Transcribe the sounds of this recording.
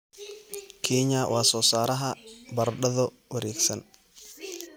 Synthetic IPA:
kʰɛːɲɐwaːsɔːsaːɾɐɦɐbɐrɖɐðɔ | wɐɾɛːɡsɐn

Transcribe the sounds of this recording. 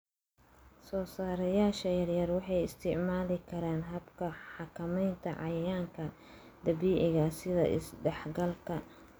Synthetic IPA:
sɔːsaːɾɐjaːʃɐjɐrjɐrwɑħɑjɪst̪ʰɪʕmaːlɪkʰɐɾaːnɦɐbkʰɐħɑkʰɐmɛjnt̪ʰɐʕɑjjaːŋkʰɐ | d̪ɐβiːʕɪɣɐsɪðɐ̰ʔɪ̰sɖɛħɡɐlkʰɐ

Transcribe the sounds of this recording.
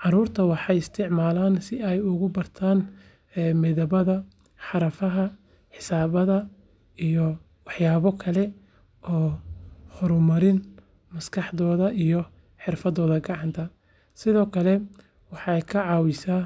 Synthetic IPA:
ʕɑɾuːrt̪ʰɐwɑħɑjɪst̪ʰɪʕmaːlaːnsɪɛjʊɣʊbɐrt̪ʰaːnː | mɪðɐβɐðɐ | ħɑɾɐfɐɦɐ | ħɪsaːβɐðɐ | ijɔ | wɑħjaːβɔkʰɐlɛ | ʔɔːhɔɾʊmɐɾɪn | mɐskʰɑħðɔːðɐʔijɔ | ħɪrfɐdðɔːðɐɡɑʕɑnt̪ʰɐ | sɪðɔːkʰɐlɛ | wɑħɑjkʰɐʕɑːwɪsaː

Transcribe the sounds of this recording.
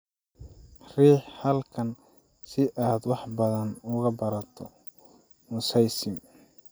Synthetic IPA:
riːħhɐlkʰɐn | sɪʔaːd̪wɑħbɐðɐnʊɣɐbɐɾɐt̪ʰɔ | mʊsɐjsɪm

